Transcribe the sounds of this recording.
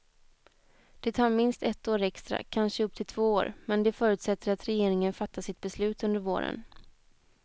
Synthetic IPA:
d̪̥ɛt̪ʰɑːɾmɪnst̪ɛt̪ːoːɾɛkst̪ɾa̰kʰanʂəɵpt̪ʰɪlt̪ʰv̥oːoːɾmɛnd̪ɛfœːɾʉ̟t̪sɛt̪ʰːəɾat̪ɾɛjeːɾɪŋənfat̪ʰːasɪt̪̚bɛslʉ̟ːt̪ɵnd̪əɾvo̰ːɾə̰n

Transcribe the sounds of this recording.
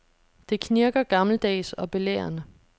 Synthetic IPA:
d̥e̝kʰniɐɡ̥ɐɡ̥ɑ̈ml̩d̥ɛ̰ːsɒ̽b̥e̝lḛːɐnə

